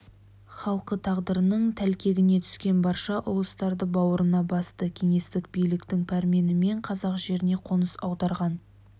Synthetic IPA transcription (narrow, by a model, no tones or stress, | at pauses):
χɑlˠqət̪ʰɑʁd̪əɾənəɴt̪ʰælkʲe̞ɡʲɪne̞t̪ʰʏ̥skʲe̞nbɑɾʃɑʔʊlˠəst̪ɑɾd̪əbɑwəɾənɑbɑst̪əkʲʰe̞ŋe̞st̪ɪk̚bijlɪkt̪ɪŋpʰæɾme̞nɪme̞ɴqʰɑzɑqʒe̞ɾɪne̞qʰo̞nəsɑwd̪ɑɾʁɑn